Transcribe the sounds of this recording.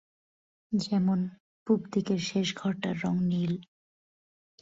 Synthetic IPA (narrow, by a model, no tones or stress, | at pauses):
d͡ʑɛmon | pubd̪ikeɾʃeʃɡʱɔɾʈaɾːɔŋnil